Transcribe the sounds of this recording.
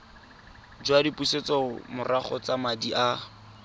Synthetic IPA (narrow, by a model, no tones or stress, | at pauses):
d͡ʒwadipuset͡sɔmʊrʔaχɔt͡samadiʔa